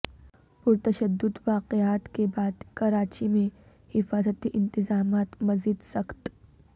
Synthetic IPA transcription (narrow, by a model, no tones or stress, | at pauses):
pʊɾt̪ɐʃəd̪ːʊd̪ʋaːqeaːt̪kebaːd̪kɐɾaːt͡ʃimẽ | hɪfaːzət̪iʔɪ̃nt̪ɪzaːmaːt̪mɐziːd̪sɐkt̪